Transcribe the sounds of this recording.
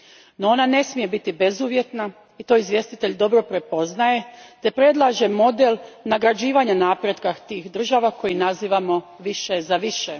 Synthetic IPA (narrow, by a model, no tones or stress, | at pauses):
noo̞nane̞smije̞bit̪ibe̞zuːʋje̞t̪na | it̪o̞izʋje̞st̪it̪e̞ʎd̪o̞bɾo̞pɾe̞po̞znaje̞t̪e̞pɾe̞d̪lˠaʒe̞mo̞d̪elnaɡɾad͡ʑiːʋaɲanaːpɾjed̪kaxt̪iːxd̪r̩ʒaʋako̞jinaziːʋamo̞ | ʋiʃezaʋiʃe